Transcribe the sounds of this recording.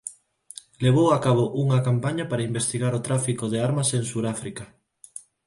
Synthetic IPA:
leβ̞owakaβ̞oʔuŋɐkampaɲɐpaɾaimbest̪iɣaɾot̪ɾafikoðeaɾmɐseŋsuɾafɾikɐ

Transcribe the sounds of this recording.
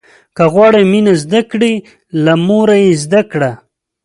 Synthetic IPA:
kaɣwɑɽeminazd̪akɽi | lamoɾajezd̪akɽa

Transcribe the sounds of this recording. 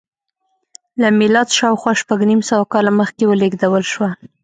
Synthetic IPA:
lamɪlɑt̪ʃɑwxwɑʃpaɡnimsawakɑlaməxkewəleɡd̪awəlʃwa

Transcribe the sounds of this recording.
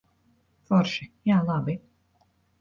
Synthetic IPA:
fɔɾʃijaːlˠabi

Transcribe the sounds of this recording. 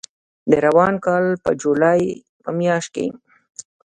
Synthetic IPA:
d̪əɾawɑnkɑlpə̰d͡ʒulɑj | pəmjɑʃt̪̚kḛjm

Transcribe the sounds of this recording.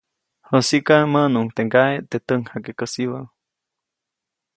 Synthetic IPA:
hosikamənuŋt̪eŋɡaet̪et̪əŋhakekəsiβə

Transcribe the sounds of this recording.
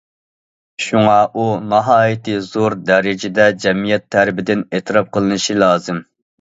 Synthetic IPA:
ʃuŋɑʔunɑɦɑːjit̪ʰɨzoɾd̪ɛɾɪd͡ʒɪd̪ɛd͡ʒɛmijɛt̪ʰːæɾɪbɪd̪ɪnet̪ʰɨɾɑp̚qʰəlˠɨnɨʃilˠɑːzɨm

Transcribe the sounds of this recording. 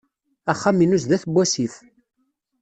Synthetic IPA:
æχːaminus̬ðæθbʷːæsiθ

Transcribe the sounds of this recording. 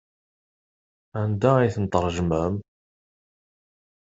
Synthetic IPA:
ʕənd̪æiθənt̪əɾˤʒməm

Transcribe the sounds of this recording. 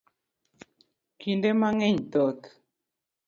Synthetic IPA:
kindemaŋeɲt̪ot̪

